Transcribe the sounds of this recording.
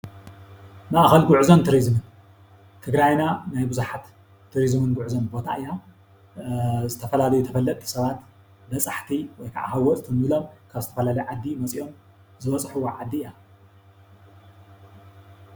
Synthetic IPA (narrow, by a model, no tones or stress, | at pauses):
maʔxɐlɡʊʕzont̪ʰɨɾizɨmɨn | t̪ʰɨɡɾajnanajbɨzuħat̪ʰː | ɨɾizmɨnɡʊʕuzonbo̞t̪ʰa̰ʔɨja | zɨt̪ʰɐfɐlalɐjut̪ʰɐfɐlːɐt̪ʼːi̥sɐβat̪ | bɐt͡sʼaħt̪ʰiwɔjkʰa̰ʕa̰hawɔt̪ʼt̪ʰɨnblo̞mkʰaβzɨt̪ʰɐfɐlalɐjʕad̪ːimɐt͡sʼio̞m | zɨβɐt͡sʼħuwʕad̪ːiːja